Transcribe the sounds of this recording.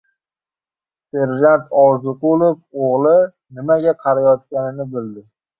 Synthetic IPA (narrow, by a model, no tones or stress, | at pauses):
se̞ɾʒant̪ʰɒɾzʊqʊlˠofoʁlˠɪ | nɪmaɡʲaqʰɑɾajɒt̪̚kʲanɪnɪbɪld̪ɪ